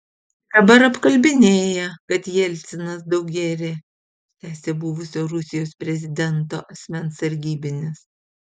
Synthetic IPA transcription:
d̪̥ɐbɐɾɐpkɐlʲbʲɪnʲeːjɛkɐt̪jɛlʲt̪sʲɪnɐsd̪ɐʊk̚ɡʲæːɾʲe | t̪ʲæːsʲebuːʋʊsʲoːɾʊsʲɪjoːspʲɾʲɛzʲɪd̪ʲɛnt̪o̰ːʔɐsʲmʲɛnsɐɾʲɡʲiːbʲɪnʲɪs

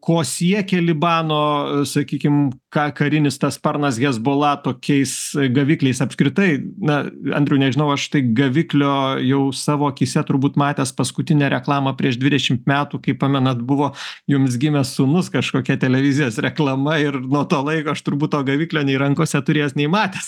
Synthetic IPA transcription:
koːsʲiɛkʲɛlʲɪbɑːnoːsɐkʲiːkʲɪmkɑːkɐɾʲɪnʲɪst̪ɐspɐɾnɐsɡʲɛzboːlˠɐt̪oːkʲɛɪsɡɐʋʲɪklʲɛɪsɐpskɾʲɪt̪ɐɪnɐɐ̰nd̪ʲɾʲɛʊnʲɛʒʲɪnɐʊɐʃt̪ɐɪɡɐʋʲɪklʲoːjɛʊsɑːʋoːkʲisʲɛt̪ʊɾbuːt̪mɑːt̪ʲeːspɐskʊt̪ʲɪnʲɛɾʲɛklˠɑːmɐpʲɾʲiɛʒd̪ʲʋʲɪd̪ʲɛʃʲɪmt̪mʲæːt̪uːkɐɪppɑːmʲɛnɐt̪bʊʋoːjʊms̬ɡʲɪmʲɛsʊnʊskɐʃkoːkʲɛt̪ʲɛlʲɛʋʲɪzʲɪjoːsɾʲɛklˠɐmɐɪrnuɔt̪oːlˠɐɪkoːɐʃt̪ʊɾbuːt̪t̪oːɡɐʋʲɪklʲoːnʲɛɪɾɐŋkoːsʲɛt̪ʊɾʲeːjsnʲɛɪmɑːt̪ʲeːs

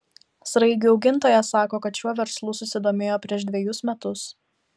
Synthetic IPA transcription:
sɾɐɪɡʲuɒʊɡʲɪnˑt̪oːjɛsɑːkoːkɐt̪ʃʲuɔʋʲɛɾslˠuːsʊsʲɪd̪oːmʲeːjoːpʲɾʲiɛʒd̪ʲʋʲɛjʊsmʲɛt̪ʊs

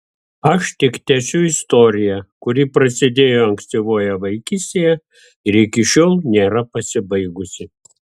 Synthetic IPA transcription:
ɐʃt̪ʲɪkt̪ʲɛsʲʊɪst̪ɔɾʲɪjɛkʊɾʲɪːˑpɾɐsʲɪd̪ʲeːjoːɐŋʲksʲt̪ʲiʋoːjɛʋɐɪkʲɪsʲt̪ʲeːjɛ | ɪɾɪkʲɪʃʲoːlˠnʲeːɾɐpɐsʲɪbɐɪɡʊsʲɪ

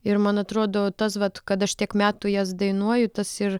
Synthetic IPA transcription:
ɪɾmɐnɐt̪ɾoːd̪oːt̪ɐsʋɐt̪kɐt̪ɐʃt̪ʲiɛkmʲæːt̪uːjɛsd̪ɐɪnuɔjʊt̪ɐsɪr

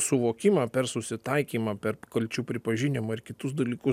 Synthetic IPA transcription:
sʊʋoːkʲɪmɑːpʲɛɾsʊsʲɪt̪ɐɪkʲiːmɑpʲɛɾkɐlʲt͡ʃʲuːpʲɾʲɪpɐʒʲɪnʲɪmɐːɪɾkʲɪt̪ʊsd̪ɐlʲiːkʊ

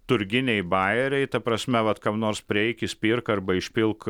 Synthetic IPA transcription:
t̪ʊɾʲɡʲɪnʲɛɪbɑɪɛɾʲɛɪt̪ɐpɾɐsʲmʲɛʋɐt̪kɑpnoːɾspʲɾʲɪɛɪkʲɪsʲpʲiːrkɐɾbɐɪʃʲpʲɪlˠk

